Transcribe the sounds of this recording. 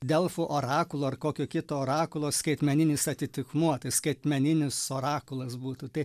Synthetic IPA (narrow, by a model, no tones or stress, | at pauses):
d̪ʲɛlˠfuːʔoːɾɑːkʊlˠoːɐrkoːkʲoːkʲɪt̪oːoːɾɑːkʊlˠoːsʲkɐɪt̪ʲmʲɛnʲɪnʲɪsɐt̪ʲɪt̪ʲɪkmuɔt̪ɐɪsʲkɐɪt̪ʲmʲɛnʲɪnʲɪsoːɾɑːkʊlˠɐsbuːt̪ut̪ɐɪ